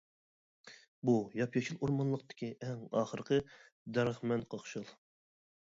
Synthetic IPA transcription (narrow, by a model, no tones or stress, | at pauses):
bujɑpjɑt͡ʃʰilˠuɾmɑnlˠəqt̪ɪ̥kʲʰiʔɛŋɑːχəɾqʰə | d̪æɾχmɛnqʰɑχʃɨlˠ